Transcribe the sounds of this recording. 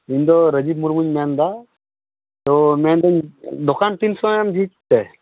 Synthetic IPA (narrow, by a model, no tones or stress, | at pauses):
ind̪oɾəd͡ʒibmuɾmuɲmaːnd̪a | t̪omand̪and̪ukant̪insɔamd͡ʒit̪ːe